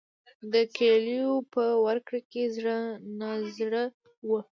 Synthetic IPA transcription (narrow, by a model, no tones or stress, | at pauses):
d̪əkelijopəwaɾkɽakezɽənazɽə | wə